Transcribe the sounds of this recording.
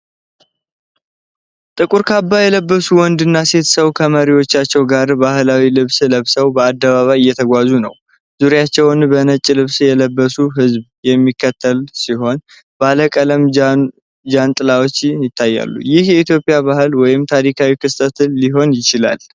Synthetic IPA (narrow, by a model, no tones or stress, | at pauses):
t̪ʼɨkʼuɾkʰabːajɛləbːəsuwɔnd̪ɨnːase̞t̪səβwkʰəməɾiwo̞t͡ʃːat͡ʃːɛwɡaɾbahɨlawilɨβsləβsəwbəad̪ːəβaβajɪjːɛt̪ʰəɡʷazunə̰w | z̥uɾjat͡ʃːɛwnbənət͡ʃʼːlɨβsjɛləbːəsuɦɨzb | jɛmːikːət̪ʰːəlsiɦo̞n | baləkʼələm | d͡ʒant̪ʼɨlawot͡ʃːnjɪt̪ʰːajːa̰lːṵjɪhjɛit̪jo̞pʼijaβaɦɨlwɔjɪmt̪ʰaɾikʰawikʰɨst̪ʰʼət̪ːiɦo̞njɪt͡ʃɪla̰l